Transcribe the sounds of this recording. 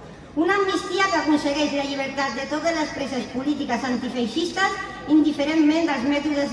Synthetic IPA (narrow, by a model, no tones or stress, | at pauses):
unamːist̪iakakunseɣɛʃlaʎiβ̞eɾt̪at̪̚d̪et̪ot̪ezlespɾɛzespulit̪ikasant̪ifejʃist̪əsind̪ifeɾemːẽnd̪əlˠzmɛt̪uez